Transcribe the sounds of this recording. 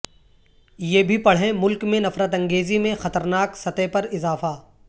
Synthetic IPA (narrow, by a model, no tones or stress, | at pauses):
jeːbʱipɐɽ̤ɦẽmʊlkmẽnɐfɾət̪ɐ̃ŋɡeːzimẽxɐt̪əɾnaːksɐt̪epɐɾɪzaːfaː